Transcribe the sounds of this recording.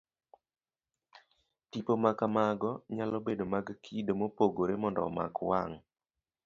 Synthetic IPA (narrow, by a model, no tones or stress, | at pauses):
tipomakamaɡɔɲalɔbedomaɡkʰidomopoɡoɾemɔndɔ̰ma̰kwa̰ŋ